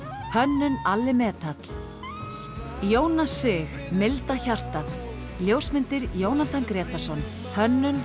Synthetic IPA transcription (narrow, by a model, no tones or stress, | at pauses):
hœnːʏnalːɪmɛːt̪at̪l̥ | joːwnasɪxmɪlt̪açar̥t̪at̪ | ljoːwsmɪnt̪ɪɾjoːwnat̪ʰankɾɛːt̪asɔn | hœnːʏn